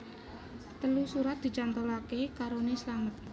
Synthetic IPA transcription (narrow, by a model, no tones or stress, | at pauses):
t̪əlusuɾat̪̚d̪̥i̤t͡ʃant̪əlakekaɾonesəlaŋət̪̚